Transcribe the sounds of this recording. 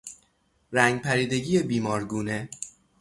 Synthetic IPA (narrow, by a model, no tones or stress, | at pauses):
ɾæŋɡpʰæɾiːd̪e̞ɟiːjebiːmɒːɾɡuːne̞